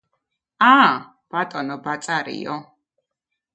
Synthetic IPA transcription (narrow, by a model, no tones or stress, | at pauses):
a | b̥at̪ʼɔnɔbat̪sʼaɾḭɔ